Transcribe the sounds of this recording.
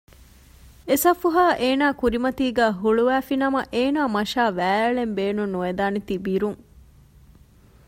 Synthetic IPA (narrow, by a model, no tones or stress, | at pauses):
esɐfuɦaːʔeːnaːkuɾimɐt̪iːɡæːɦuɭuʋæːfinɐmɐʔeːnaːmɐʃaːʋæːɐɭembeːnunːuʋed̪aːnet̪ibiɾuŋ